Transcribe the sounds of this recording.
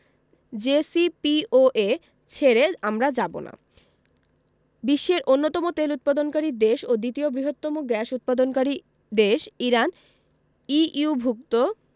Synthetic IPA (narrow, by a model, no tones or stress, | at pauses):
d͡ʑesipioʔe | t͡ɕʰeɾeamɾad͡ʑabo̰na̰ | biʃːeɾʔonːot̪ɔmot̪elut̪̚pad̪onkaɾid̪eʃod̪it̪iobɾiɦot̪ːɔmoɡɾɛʃut̪̚pad̪onkaɾi | d̪eʃiɾan | iubʱukt̪o